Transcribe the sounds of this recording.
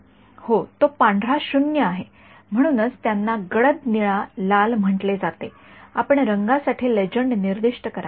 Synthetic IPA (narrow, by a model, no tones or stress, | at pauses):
hot̪opãɳɖʱɾaɕunjəaɦe | m̤əɽ̃uːnəd͡zt̪janːaɡəɽəd̪niɭalalm̤əʈled͡zat̪e | apəɳɾəŋɡasaʈʰiːled͡ʑəɳɖniɾd̪iʂʈəkəɾa